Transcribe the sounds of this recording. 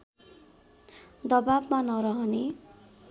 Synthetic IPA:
d̪ʌbabmanʌɾʌɦʌne

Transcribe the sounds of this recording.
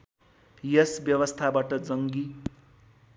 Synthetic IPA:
jʌsbjʌwʌst̪ʰabaʈʌd͡zʌŋɡi

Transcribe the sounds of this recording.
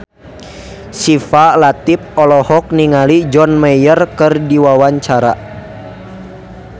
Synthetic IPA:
sifalat̪ip̚ɔlɔhɔk̚niŋalid͡ʒɔnmɛjərkərdiwawaɲt͡ʃaɾa̰

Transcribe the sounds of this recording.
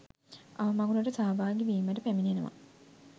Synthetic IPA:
aʋəmaɡunəʈəsaːbaːɡeʋiːməʈəpæminenəʋa̰

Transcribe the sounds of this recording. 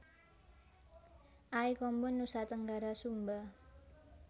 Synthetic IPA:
ʔaikɔmbʊnːusat̪əŋɡaɾasumba

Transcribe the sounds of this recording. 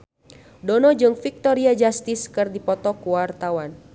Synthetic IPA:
dɔnɔd͡ʒɨŋfik̚t̪ɔɾiad͡ʒast̪ɪskɨrdipɔt̪ɔkuwart̪awan

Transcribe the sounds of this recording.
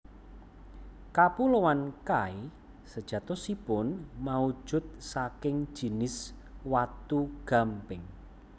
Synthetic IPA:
kapulowankai | səd̥ʒ̥ä̤t̪ɔsipʊnmau̥ʒ̥ʊ̤t̪̚sakɪŋ̥ʒ̥i̤nɪs | wat̪uɡ̥a̤mpɪŋ

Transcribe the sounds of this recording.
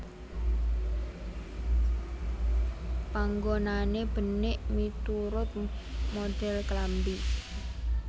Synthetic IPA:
paŋɡonaneb̥ə̤nɪʔmit̪uɾʊt̪̚mod̪̥ɛ̤lklambi

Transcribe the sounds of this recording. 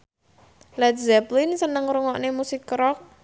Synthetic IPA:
lɛt̪̚zɛplɪnsənəŋɾuŋɔʔnemusɪkːɾɔk̚

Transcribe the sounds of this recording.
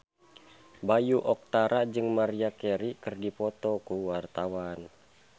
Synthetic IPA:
bajuʔɔk̚t̪aɾad͡ʒɨŋmaɾiakɛɾikɨrdipɔt̪ɔkuwart̪awan

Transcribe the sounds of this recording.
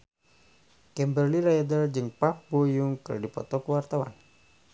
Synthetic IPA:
kɛmbərliɾajadəld͡ʒɨŋpap̚bojuŋkə̰rdipɔ̰t̪ɔkəwart̪awa̰n

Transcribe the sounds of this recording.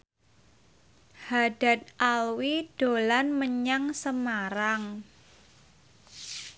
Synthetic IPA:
haɖ̥a̤t̪̚ʔalwid̥olanməɲaŋsəmaɾaŋ

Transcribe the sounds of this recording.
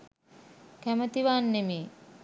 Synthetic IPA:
kæmət̪iʋaːnːemeː

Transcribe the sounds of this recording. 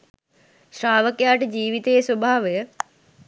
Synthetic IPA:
ʃɾaːʋəkjaːʈd͡ʑiːʋit̪eːswɐbʱaːʋjə

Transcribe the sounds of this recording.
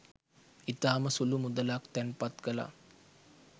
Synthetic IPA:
it̪aːməsulumud̪əlakt̪ɛnpat̪kəla̰

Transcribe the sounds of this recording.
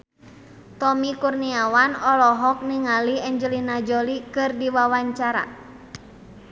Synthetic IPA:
t̪ɔmikurniawanɔlɔɦɔk̚niŋaliɛɲd͡ʒəlinad͡ʒɔlikɨrdiwawaɲt͡ʃaɾa̰

